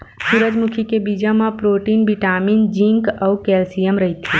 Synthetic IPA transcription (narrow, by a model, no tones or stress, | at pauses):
suɾəd͡ʒmukʰikebid͡ʒamãpɾoʈinʋiʈamind͡ʒĩŋkəʋkɛlsijəmɾəɦit̪ʰi